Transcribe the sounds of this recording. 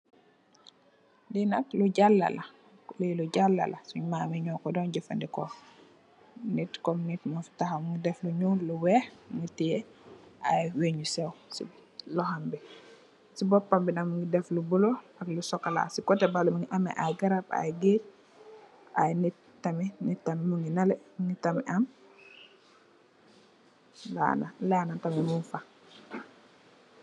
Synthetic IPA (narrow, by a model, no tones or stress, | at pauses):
ndinɐkluɟalːɐ̰lɐ | liluɟalːɐ̰lɐsuɲmaːmɛɲɔkɔdɔnɟufɐndikɔ | nitkɔmnitmaftaxɐmuŋɡidɛfluɲuluwɛxŋətijɛʔajweɲusɛwsḭlɔhambi | sibɔpːambinamuŋɡidɛflubulɔɐklusɔkːala̰sikɔtɛbalumuŋiʔɐmɛ̰ʔajɡaɾapa̰jɡeɾ | ʔa̰jnit | tːɐminitːɐmimuŋɡinɐlɛmuŋitɐmiʔɐm | la̰nalaːnatɐmimunfa